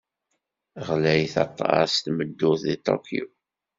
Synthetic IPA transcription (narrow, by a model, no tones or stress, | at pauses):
ʁlæjθɑ̰t̪ˤːɑ̰st̪məd̪ːʊθðit̪ˤo̰kʰjṵ